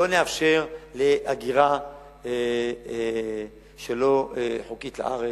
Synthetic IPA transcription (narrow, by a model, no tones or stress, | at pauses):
oneafʃe̞ʁleʔaɡiʁa | e | ʃelo̞ħokit̪la̰ʔaʁe